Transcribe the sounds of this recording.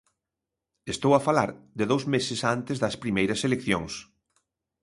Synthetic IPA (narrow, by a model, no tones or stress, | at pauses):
est̪owɐfalaɾd̪ɪðowzmesɪsant̪ezðɐspɾimejɾɐselekθjoŋs